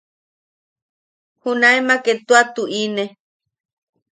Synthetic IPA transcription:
hunaemaket̪uat̪uʔine

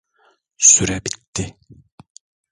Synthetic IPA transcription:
syɾɛbit̪ːɪ

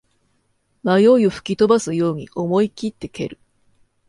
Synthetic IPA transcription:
majo̞io̞ɸɯ̥kʲit̪o̞basɨjo̞ːɲ̟iʔomo̞ikʲit̪ːe̞ke̞ɾɯ̟

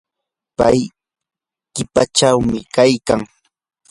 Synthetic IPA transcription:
pa̰j | kɪpaʈ͡ʂawmɪkajkaŋ

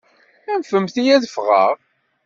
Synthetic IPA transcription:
ænfəmθijæðəfʁə̰ʁ

